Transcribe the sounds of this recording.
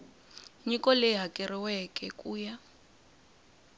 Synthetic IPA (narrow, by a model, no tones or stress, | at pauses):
ɲikʼɔleɦakʼɪriwɛkʼɛkʼuːja